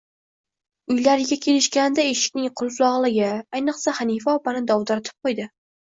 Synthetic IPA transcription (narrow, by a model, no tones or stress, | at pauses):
ʊjlaɾɪɡʲakʲʰe̞lɪʃkʲanɪd̪aeʃɪ̥kʲnɪŋqʰʊlˠflˠɒʁlˠɪɡʲaajnɨqsahanifaɒpanɪd̪ɒwd̪aɾat̪ʰɪ̥p̚qʰojd̪ɪ